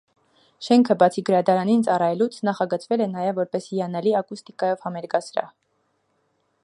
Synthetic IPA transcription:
ʃɛŋkʰəbɑt͡sʰiɡəɾɑd̪ɑɾɑnint͡sɑrɑjɛlut͡sʰnɑχɑɡət͡svɛlɛnɑjɛvːɔɾpɛsijɑnɛliɑkust̪ikɑjɔvhɑmɛɾɡɑsɾɑ̰

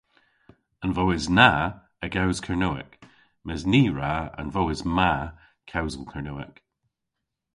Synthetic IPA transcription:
ənvoːɪzna | əɡawz̥kʰəɹnoːɪ̰k | mɛzniɹaə̰nvɔwɪzma | kʰawzəlˠkʰəɹnoɪ̰k

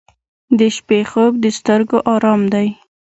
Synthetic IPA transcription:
d̪əʃpexob̚d̪əst̪əɾɡoʔɑɾɑmd̪aj

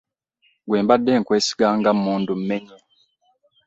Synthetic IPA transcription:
ɡweːmbadːeːŋkweːsi̥ɡaŋɡamuːndum̩meɲe

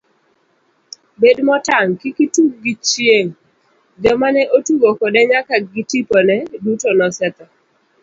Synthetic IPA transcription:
bedmɔtaŋkikituɡ̚ɡit͡ʃjeŋ | d͡ʒɔmanɛʔotuɡokɔdɛɲakaɡitipɔnɛdutonɔsɛt̪ɔ

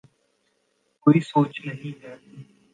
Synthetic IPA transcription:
koːiːsoːt͡ʃnəɦĩd͡ʒaːtiː

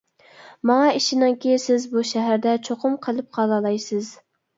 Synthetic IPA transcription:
mɑŋɑiʃɪnɪŋkʲʰejsɪzbuʃɛɦæɾd̪ɛt͡ʃʰoqʰʊmqʰəlˠɨp̚qʰɑlˠɑlˠɑjsɨz

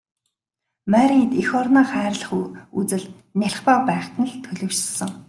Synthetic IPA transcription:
mæɾʲiŋt̪ixɔrnaːχæːrɮə̆χuut͡sɘ̆ɮ | nʲæɬχpaːpæːχt̪ʰə̆n̆ɮt̪ʰɵɮɵːʃsə̆ŋ

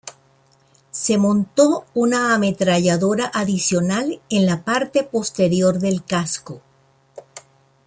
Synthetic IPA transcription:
se̞mõ̞nt̪ounaːme̞t̪ɾaʝaðo̞ɾaʔaðisjo̞nalenlapaɾt̪e̞po̞st̪e̞ɾjo̞ɾðe̞lkasko

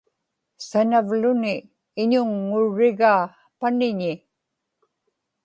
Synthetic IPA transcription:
sanavlʊnɪː | ɲʊŋːʊɻːɪɣaː | panɪɲɪ

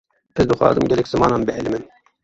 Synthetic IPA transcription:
pʰɨzd̪ɨxʷɑ̰ːzɨmɡʲɛlɛkz̥ɨmɑːnɑːnbɨhɛlɨmɨn

